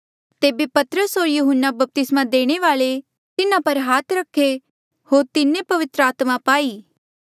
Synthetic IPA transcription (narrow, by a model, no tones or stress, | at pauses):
t̪eːbepɐt̪ɾəsɦoːɾjuɦənːabɐp̚t̪ɪsmad̪eːɽ̃eʋaːɭe | t̪ɪnãpɐɾɦaːt̪ɾɐkʰːe | hoːɾt̪ɪnːepɐʋɪt̪ɾəaːt̪mãpaːiː